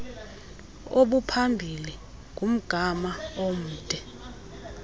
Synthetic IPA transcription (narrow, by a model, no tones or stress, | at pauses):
oɓupʰambʱili | ɡʱum̩ɡ̥ʱamaom̩ːtʼɛ